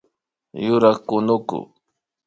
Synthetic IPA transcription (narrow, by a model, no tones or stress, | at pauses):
jʊɾaχkʊnʊkʊ̰